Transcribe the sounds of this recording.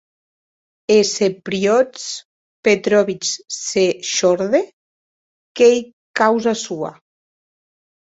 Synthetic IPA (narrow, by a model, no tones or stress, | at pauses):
esepɾiɔt͡s | pet̪ɾɔβit͡ʃseʃɔɾðe | kej | kawzasua̰